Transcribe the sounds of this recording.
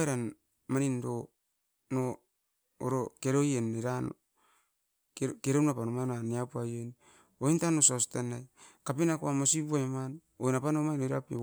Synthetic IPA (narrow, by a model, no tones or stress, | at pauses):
eɾan | manindo | no̰ː | ɾokeɾojeneɾan | keɾenapanomajnaniapuajen | ointanosastanajkapinakoamosipuajman | ojnapanomajnoiɾapḛ